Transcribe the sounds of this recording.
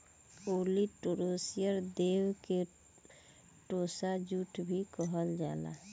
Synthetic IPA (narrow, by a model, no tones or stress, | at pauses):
oliʈoɾosijəɾd̪eːwke | ʈosad͡ʒuʈʰbʱikəɦəld͡ʒa̰ːla̰